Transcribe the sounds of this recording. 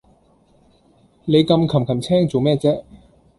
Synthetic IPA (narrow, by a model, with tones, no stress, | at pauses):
ne˨˧jkɐ˧mkʰɐ˨˩mkʰɐ˨˩mt͡sʰɛː˥ŋt͡so˨wmɛː˥t͡sɛː˥